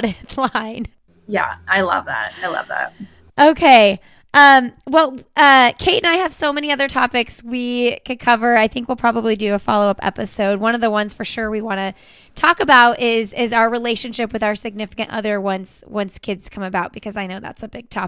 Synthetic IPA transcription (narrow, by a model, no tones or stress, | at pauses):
ɾɨθlãɪ̃n | jæ̰ʔaɪlʌ̰vðæ̰t̚aɪlʌ̰vðæ̰t̚ | ʔoʊkʰeɪ | ʔʌ̃mwɛlˠʌkʰeɪʔɨ̃naɪɨv̥soʊmɛniʌðə˞tʰɑpɨkswikʰɨd̚kʰʌvə˞aɪθɪ̃ŋkwilˠpʰɹ̥ɑbəblidɨːfɑ̰lˠoʊʌpɛ̰pɨsoʊd̚wʌ̃nʌvðəwʌ̃nz̥fə˞ʃʊɹwiwɑ̃ñɨ | tʰɔkɨbaʊɾɪzɪzaʊə˞ɹileɪʃɨ̃nʃɪpwɨðaʊə˞sɨɡ̚nɪfɨ̥kɨ̃ntʌ̰ðə˞wʌ̃nswʔʌ̃nskʰɪdz̥kʰʌ̃mɨbaʊt̚b̥ɨkʰʌzaɪnoʊðæ̰tsɨbɪɡ̚tʰɑ